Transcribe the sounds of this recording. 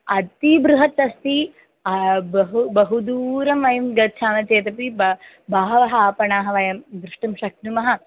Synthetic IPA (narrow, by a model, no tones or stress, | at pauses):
ɐt̪ibɾuɦɐt̪ːɐst̪i | bɐɦbɐɦud̪uːɾɐmʋɐjɐmɡɐʃʰaːmɐt͡ʃeːt̪ɐp̬ib | baːɦɐʋɐɦɐaːpɐɳaːɦɐʋɐjɐmd̪ɾɪʂʈɐmʃɐknumɐɦɐ̆